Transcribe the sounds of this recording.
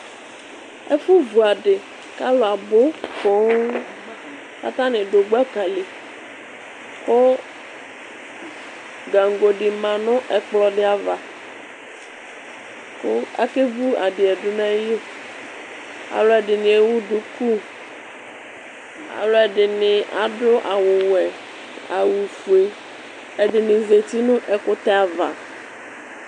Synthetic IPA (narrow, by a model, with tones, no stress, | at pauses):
ɛ˦fu˦vu˨a˨ɖɪ˨ | ka˦lo˨a˨bo˦fo˨˦ | ka̰˦t̪ã˦nɪ̃˨ɖo˨ɡ͡ba˦ka˨le˨ | ko˦ | ɡa˨ŋ˨ɡo˨ɖɪ˨mã˨nʊ̃˦ʔɛ˨k͡plɔ˨ɖɪ˦a˨va˨ | kʊ˦a̰˦ke˦vu˦a˨dɪ˨ɛ˨dʊ˦nɛ̃˦jo˦ | a̰˨lɔ˦ɛ˨dɪ˨nɪ̃˨e˦wu˦du˨ku˦ | a̰˨lɔ˦ɛ˨ɖɪ˨nɪ̃˨ʔa˨dʊ˦ʔa˨wʊ˨wɛ˨ | a̰˨wu˨fu˨e˨ | ɛ˨ɖɪ˨nɪ̃˨ze˨t̪i˦nʊ̃˦ʔɛ˨kʊ˦t̪ɛ˦a˨va̰˨